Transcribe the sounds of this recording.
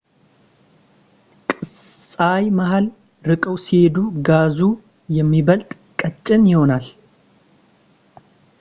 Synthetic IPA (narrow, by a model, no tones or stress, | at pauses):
kʼɨsʼajmahal | ɾɨkʼəwsihe̞d̪uɡazu | jɛmːibəlt̪ʼ | kʼət͡ʃʼːɪnjɪho̞nal